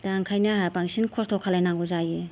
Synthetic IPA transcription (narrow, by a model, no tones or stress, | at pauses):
d̥aŋkʰajnaɦapaŋsinkʰɔstʰɔkʰalajnaŋɡɔzaje